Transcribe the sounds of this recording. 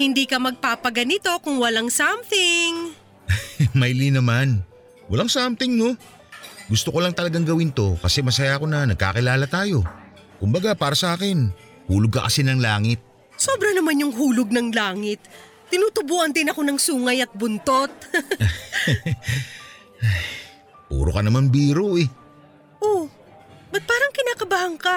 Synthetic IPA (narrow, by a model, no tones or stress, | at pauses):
hɪnd̪iːkɐmɐɡ̚paːpɐɡɐnɪt̪o̞kʊŋwɐlaŋsamθɪŋ | mɐjlinɐman | wɐlaŋsamt̪ɪŋno̞ | ɡʊst̪okolɐŋt̪ɐlɐɡaŋɡɐwɪnt̪o̞kɐsɛmɐs̬ajako̞nɐnɐɡ̚ka̰kɪlaːlɐt̪aːjo̞ | kʊmbɐɡapaːɾɐsɐʔaːkɪn | huːlʊɡ̚kɐkɐsɪnɐŋlaːŋɪt̪̚ | soːbɾɐnɐmanjʊŋɦuːlʊɡ̚nɐŋlaːŋɪt̪̚ː | ɪnuːt̪ʊbuːʔɐnd̪ɪnɐko̞nɐŋsuːŋɐjɐt̪̚bʊnt̪o̞t̪̚ | aj | pṵːɾokɐnɐmanbiːɾoʔɛ | ʔo | bɐt̪̚paːɾɐŋkɪnaːkɐbahɐŋka